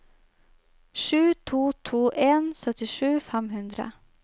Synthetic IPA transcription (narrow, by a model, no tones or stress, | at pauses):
ʂʉːt̪ʰuːt̪ʰuːʔeːnsœt̪ɪʂʉːfɛmɦʉnd̪ɾə̰